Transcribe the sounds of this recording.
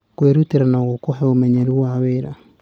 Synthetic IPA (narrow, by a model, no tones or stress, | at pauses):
kweɾuteɾanaɣokɔɦɛomɛɲɛɾuwaweɾa